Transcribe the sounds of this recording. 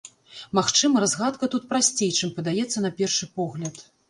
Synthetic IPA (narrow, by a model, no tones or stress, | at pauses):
maxt͡ʂɨmɐɾazɣat̪kɐt̪ut̪̚pɾasʲt͡sʲejt͡ʂɨmpɐd̪ajɛt̪sːɐnɐpʲɛrʂɨpɔɣlʲɐt̪